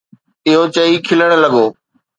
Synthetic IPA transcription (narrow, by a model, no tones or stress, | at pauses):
ɪɦot͡ɕɐikʰɪləɽ̃lɐɠoː